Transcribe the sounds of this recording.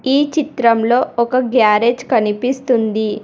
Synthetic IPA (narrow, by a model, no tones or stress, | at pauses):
iːt͡ʃit̪ɾɐmlo̞ːɔkɐɡjaːɾeːd͡ʒkɐnipist̪und̪i